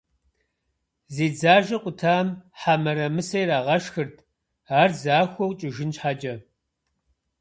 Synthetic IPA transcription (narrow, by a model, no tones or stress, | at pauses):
ziːd͡zaːʒɐqʷʼʊtʰaːmħamɐɾɐmɨsɐjɾaːʁɐʃxɨrtʰ | aːrzaːxʷɔwt͡ʃʼɪʒɪnt͡ʃħaːd͡ʒɐ